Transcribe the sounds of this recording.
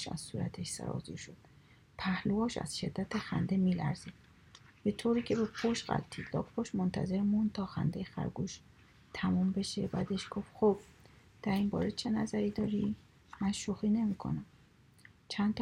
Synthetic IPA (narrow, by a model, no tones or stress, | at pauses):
ʃæ̰zsuːɾæ̰t̪ʰeʃsæ̰ɾɒ̰ːzḭʃod̪̥̚ | pʰæhluɒːʃæ̰z̥ʃe̞d̪ːæt̪ʰexæ̰nd̪e̞miːlæ̰ɾzid̪̥̚ | b̥e̞t̪ʰoːɾiːcʰe̞bepʰoʃɢæ̰lt̪ʰilɒ̰ːkpʰoʃmont̪ʰæ̰ze̞ɾmund̪̚t̪ʰɒːxæ̰nd̪ejexæ̰ɾɡuʃ | t̪ʰæmumbe̞ʃḛbæːd̪e̞ʃɡ̥ofxob̥̚ | d̪̥æɾinbɒ̰ːɾet͡ʃʰe̞næzæɾiːd̪ɒːɾi | mænʃoxiːne̞miːkʰo̞̰næm | t͡ʃʰænd̪t̪ʰ